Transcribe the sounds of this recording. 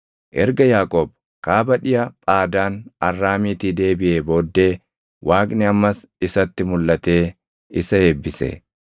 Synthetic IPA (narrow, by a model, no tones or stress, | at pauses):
ʔɛɾɡɐjaːkʼob | kaːbɐᶑɪjɐpʼaːd̪aːnɐrːaːmiːt̪iːd̪e̞ːbɪʔeːbo̞ːd̪ːe̞ː | waːkʼnɪɐmːɐs | ɪsɐt̪ːɪmʊlːɐt̪e̞ː | ɪsɐe̞ːbːɪsɛ̰